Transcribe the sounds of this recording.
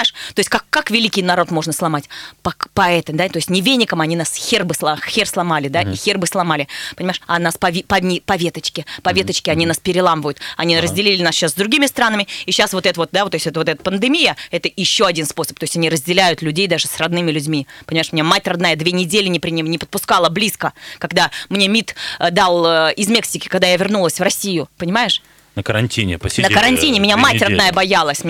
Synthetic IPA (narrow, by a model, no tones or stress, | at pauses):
aɪʂt̪o̞ɪsʲtʲkakːakvʲɪlʲikʲɪjnɐɾo̞t̪mo̞ʐnəslˠɐmatʲpɐpɐɛt̪əmd̪at̪o̞ɪsʲtʲnʲɪvʲenʲːɪkəmɐnʲinasxʲerbɨslˠaxʲerslˠɐmalʲɪd̪aʔixʲerbɨslˠɐmalʲɪpənʲɪmaɪʂanaspɐvʲpɐnʲipɐvʲet̪ət͡ɕkʲɪpɐvʲe̞t̪ət͡ɕkʲɪɐnʲinaspʲɪɾʲɪlˠamvəjʊt̪ɐnʲiɾəzʲdʲɪlʲilʲɪnasɕaszd̪ɾʊɡʲimʲɪst̪ɾanəmʲɪiɕːasvo̞t̪ɛt̪əvot̪̚d̪aot̪osʲɛt̪əvot̪ɛt̪ə̥pənd̪ɨmʲijəɛt̪əjɪɕːoɐdʲinspo̞sə̥p̚t̪oɪsʲɐnʲiɾəzʲdʲɪlʲæjʊt̪lʲʉdʲejd̪aʐɨsrɐd̪nɨmʲɪlʲʉdʲmʲipənʲɪmajɪʂmɪnʲamatʲrɐd̪najəd̪vʲenʲɪdʲelʲɪnʲɪpɾʲɪnʲimnʲɪpə̥t̪̚pʊskalˠəblʲiskəkɐɡd̪amnʲe̞mʲit̪d̪alˠɪzmʲe̞ksʲɪkʲɪ̥kaɡd̪ajavʲɪrnulˠəsʲvrɐsʲijʊpənʲɪmajɪʂ | nəkəɾɐnʲtʲinʲɪ̰pəsʲnəkəɾɐnʲttʲinʲɪmʲɪnʲamatʲrɐd̪najəbɐjalˠəsʲm